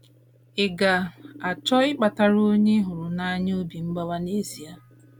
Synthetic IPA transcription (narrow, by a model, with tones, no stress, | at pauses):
ɪ˨ɡa˨a˨t͡ʃɔ˦ɪ˦k͡pa˨ta˦˨ɾo˦ɲe˦ɦʊ˨ɾʊ˨na˦ɲ˦o˦bi˨m̩˦ɡ͡ba˦wa˦ne˦si˨a˦